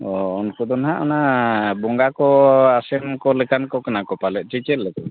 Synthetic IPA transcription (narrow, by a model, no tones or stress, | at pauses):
ɔɔnkud̪ɔnɦaʔɔ̰nabɔŋɡakɔasɛmkɔlɛkankɔkanakɔpalɛt̪̚ˀt͡ʃit͡ʃɛlɛkɔ